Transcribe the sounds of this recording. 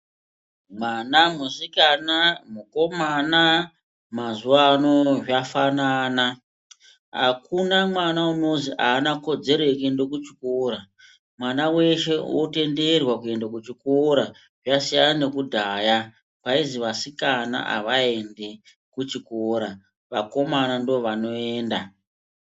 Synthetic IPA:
mwanamusikanamuko̞mana | mazuʋano̞ʐafanaːna | ɦa̰kunamwanauno̞ziʔaːnako̞d͡ze̞ɾekendokut͡ʃi̥koːɾa | mwanawe̞ʃe̞wote̞nderwakue̞ndakut͡ʃikoɾa | ʐasijanane̞kudʱaːja | paiziʋasikana̰ʔa̰ʋae̞nde | kut͡ʃikoːɾa | ʋako̞manandooʋano̞eːnda

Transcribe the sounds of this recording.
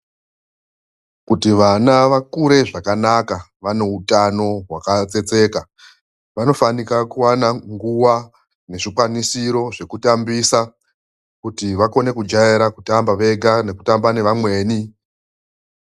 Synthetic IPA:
kutiʋanaʋakuɾe̞ʐakanaka | ʋane̞utano̞ɦwakat͡se̞t͡se̞ːka | ʋano̞fanikakuwanaŋɡuwa | ne̞ʐikwanisiɾo̞ʐe̞kutambisa | kutiʋako̞ne̞kud͡ʒajeɾakutambaʋe̞ɡʱane̞kutambane̞ʋamwe̞ːni

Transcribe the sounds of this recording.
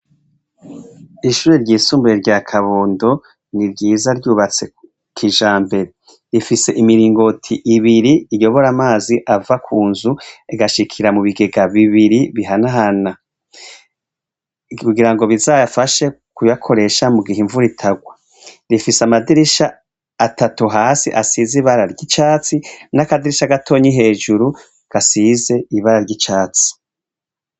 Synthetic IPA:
iʃuːɾeɾɟiːsuːmbuɾeɾɟaːkʰaβoːndo̞ | niɾɟiːzaɾɟuːβat͡se̞ | kʰiʒaːmbe̞ɾe | ɾifise̞ʔimiɾiːŋɡo̞tʰiʔiβiɾiijo̞βo̞ɾamaːziʔavakʰuːnzuiɡaʃikʰiɾamuβiɡe̞ɡaβiβiɾiβiɦanaɦana | kuɡiɾaŋɡo̞βizajafaʃe̞ | kujakʰo̞ɾe̞ʃamuɡihiɱvuɾitʰaɡwa | ɾifisamadiɾiʃaː | tatuɦaːsḭʔasiziβaɾaɾɟit͡ʃaːt͡sinakadiɾiʃaɡatʰo̞ːɲiɦe̞ːʒuɾu | ɡ̥asize̞iβaɾaɾɟit͡ʃaːt͡si̥

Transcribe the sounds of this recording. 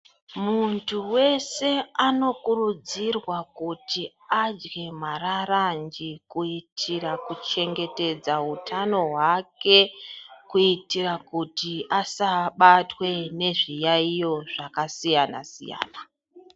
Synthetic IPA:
muntʰuwe̞se̞ano̞kurud͡zirwakutʰi | ad͡ʒɡe̞mararand͡ʒikuitʰirakut͡ʃe̞ŋɡe̞te̞d͡zautʰano̞ɦwake̞kuitirakutiasaɓatwe̞ne̞ʐijaijo̞ʐ̥akasijana̰sḭja̰ːna

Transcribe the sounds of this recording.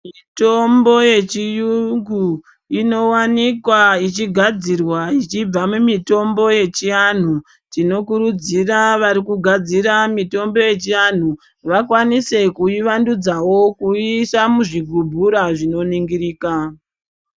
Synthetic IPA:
mito̞mbo̞je̞t͡ʃijuŋɡu | ino̞wanikwait͡ʃiɡʱad͡zirwait͡ʃib͡vamumito̞mbo̞je̞t͡ʃian̤u | tino̞kuɾud͡ziraʋaɾikuɡʱad͡ziɾamito̞mbo̞je̞t͡ʃian̤u | ʋakwanise̞kuiʋandud͡zawo̞kuisamuʐiɡʱubʱuɾaʐino̞niŋɡiriːka

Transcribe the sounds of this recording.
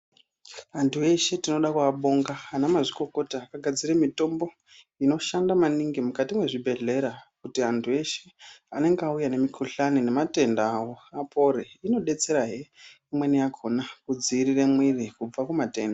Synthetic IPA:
antue̞ʃetino̞ɗakuaɓo̞ŋɡaːnamaʐiko̞ko̞taːkaɡʱad͡ziremito̞mbo̞ | ino̞ʃandamaniŋɡimukatimwe̞ʐibʱe̞ɮe̞ɾakutiantʰue̞ʃe̞ane̞ŋɡeaujane̞mikʰuɬanine̞mate̞ndaawo̞apʰo̞ɾeino̞ɗe̞t͡se̞ɾaɦeimwe̞nijakʰo̞nakud͡ziriremwirikub͡vakumate̞ːnda

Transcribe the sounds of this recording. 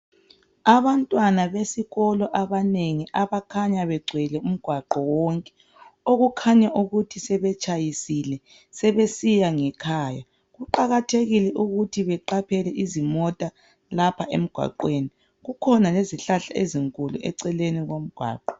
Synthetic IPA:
aβantʼwanaβesiɣɔlɔʔaβaneŋiʔaβakʰaɲaβɛɡ͡ǀʱwɛlɛum̩ɡ̥ʱwaǃɔwɔŋkʼɛ̥ | oɣukʰaɲaʔuɣutʰisɛβɛt͡ʃʼajisilɛ | sɛβesijaŋɛkʰaːja | ɣuǃaɣatʰeɣilɛʔuɣutʰiβɛǃapʰɛlɛʔizimɔtʼa | lapʰaʔem̩ɡ̥ʱwa̰ǃweːni | ɣukʰɔnaleziɬaɬaeziŋkʼuluʔɛ̰ǀɛleniɣom̩ɡ̥ʱwa̰ːǃɔ

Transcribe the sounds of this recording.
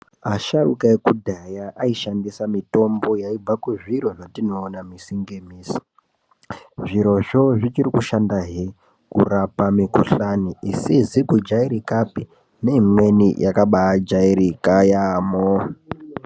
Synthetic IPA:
aʃarṵkaekudʱajaʔaiʃandisamito̞mbo̞jaib͡vakuʐiɾo̞ʐatino̞ːnamisiŋɡe̞miːsi̥ | ʐiɾo̞ʐo̞ʐit͡ʃirikuʃandaɦe | kṵrapamikṵɬaniʔisizikud͡ʒaiɾikapi | ne̞imwenijakaɓaad͡ʒaiɾikajamo

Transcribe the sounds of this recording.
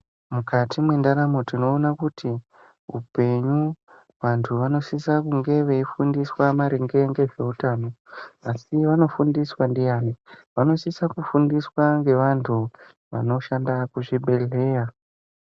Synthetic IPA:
mukatʰimwendanamotino̞ːnakuti | upe̞ɲu | ʋantʰuʋano̞sisakuŋɡe̞ʋe̞ifundiswamaɾiŋɡe̞ŋɡe̞ʐe̞utaːno̞asiʋano̞fundiswandijaːneʋano̞sisakufundiswaŋɡe̞ʋantʰu | ʋa̰no̞ʃandakuʐiɓe̞ɮe̞ːja

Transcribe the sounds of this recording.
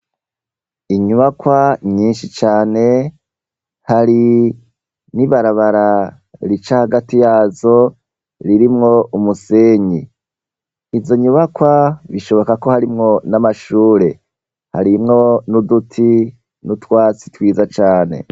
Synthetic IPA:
iɲuβakwaɲiːnʃit͡ʃaːne̞ | haɾi | niβaɾaβaɾa | ɾit͡ʃahaɡatijaːzo̞ | ɾiɾimŋo̞umuse̞ːɲiː | zzo̞ɲuβakwaβiʃo̞βo̞kako̞haɾimŋo̞namaʃuːɾe̞ | ha̰ɾimŋo̞nudutʰi | nutwaːt͡si̥twiːzat͡ʃaːne̞̰

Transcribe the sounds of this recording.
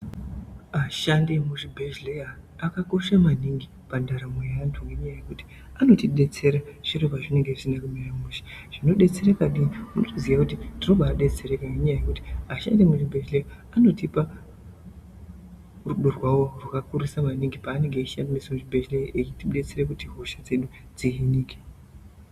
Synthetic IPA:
aʃandemuʐibʱeʒlejaːkako̞ʃamaniŋɡi | pandaɾamwejaantʰuŋɡe̞ɲajajekuti̥ | ano̞tiɗe̞t͡se̞ɾaʐ̥iropaʐine̞ŋɡe̞ʐi̥sinakumiramuʃḁʐ̥ino̞ɗe̞t͡se̞rekaɗiiunotoziakutindino̞ɓaaɗe̞t͡se̞ɾekaŋɡeɲajaje̞kuti̥aʃa̰ndemuʐibʱeʃleji | ano̞tipa | ruɗorwawo̞rwakakurisamaniŋɡipaːne̞ŋɡeiʃandemisamuʐibʱeʃleʔet͡ʃitiɗe̞t͡se̞rekutiɦoʃad͡ze̞ɗu | d͡ziɦiniːke̥

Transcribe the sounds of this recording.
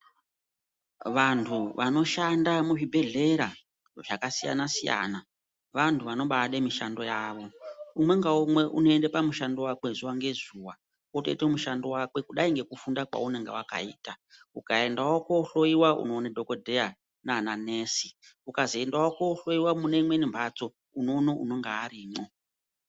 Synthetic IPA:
ʋantʰuʋano̞ʃandamuʐibʱe̞ɮe̞ɾa | ʐ̥akasija̰nasija̰ːna | ʋantʰuʋano̞ɓaɗemiʃando̞jaːʋo̞umwe̞ŋɡaumwe̞ʔṵno̞endepamuʃandowakwezuwaŋɡe̞zuwa | kotḛtomuʃando̞wakwe̞kuɗaiŋɡe̞kufundakwa̰une̞ŋɡḛwaka̰ḭːta | ukae̞ndawokouɬo̞iwaṵno̞nadʱokodʱeja | naːnaneːsiukaziendawokwouɬo̞iwamune̞imwe̞nimbʱat͡so̞ | uno̞no̞ṵno̞ŋɡaːɾiːmo

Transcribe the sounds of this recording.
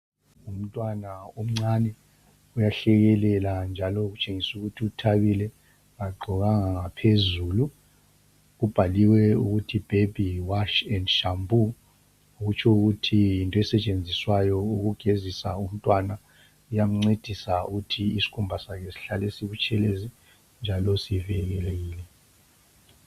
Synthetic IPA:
um̩tʼwanaom̩ŋ͡ǀanɛ | ujaɬɛɣɛlɛland͡ʒʱalɔɣut͡ʃʼeŋisuɣutʰiutʰaβilɛ | ŋaɡ͡ǃʱɔɣaŋaŋapʰezuːlu | ɣub̥ʱaliwɛuɣutʰib̥ʱeb̥ʱiwaʃɛndʃambʱu | ɣut͡ʃʰɔuɣutʰijintʼɔɛsɛt͡ʃʼend͡zʱiswajɔuɣuɡ̥ʱezisa̰um̩tʼwana | ujam̩ŋ͡ǀed̥ʱisauɣutʰiisi̥kʰumbʱasakɛsi̥ɬalɛsiβut͡ʃʰʼɛlezi | nd͡ʒʱalɔsivɛɣ̬ɛleɣiːlɛ

